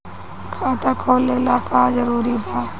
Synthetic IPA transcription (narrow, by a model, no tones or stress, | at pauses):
kʰaːt̪aːkʰoːlelaːkaːzəɾuːɾib̪ʱaː